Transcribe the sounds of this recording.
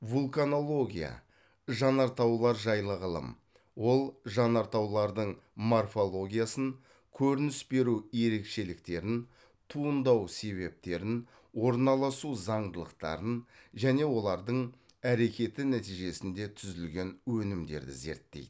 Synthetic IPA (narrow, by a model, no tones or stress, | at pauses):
vulˠkano̞lˠo̞ɡʲija̰ | ʒɑnɑɾt̪ɑwlˠɑɾʒɑjlˠəʁəlˠə̰m | wo̞lˠʒɑnɑɾt̪ɑwlˠɑɾd̪əɴmo̞rfo̞lˠo̞ɡʲijasən | kʲʰɵɾɪnɪsbe̞ɾuje̞ɾe̞kʃe̞lɪk̚t̪e̞ɾɪn | t̪ʰuənd̪ɑwse̞βe̞p̚t̪e̞ɾɪn | wo̞ɾnɑlˠɑsuzɑɴd̪əlˠəqt̪ɑ̰ɾənʒæne̞wo̞lˠɑɾd̪əɴ | æɾe̞kʲe̞t̪ɪnæt̪iʒe̞sɪnd̪e̞t̪ʰʏzɪlɡʲe̞nwɵnɪmd̪e̞̰ɾd̪ɪ̰ze̞̰ɾt̪ːḛjd̪ɪ